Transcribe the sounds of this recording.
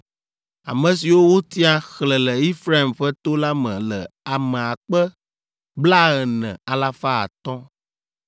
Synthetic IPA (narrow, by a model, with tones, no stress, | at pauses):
a̰˨mɛ̃˨si˨wo˦wo˦t̪i˦a˦xlə˨lɛ˨i˦fɾa˦i˨mɸɛ˦t̪o˦la˦mɛ̰̃˨lə˨a˨mɛ̃˨a˨k͡pɛ˦ | bla˦ɛ˨nɛ̰̃˨a˨la˦fa˦a̰˨t̪ɔ̃˦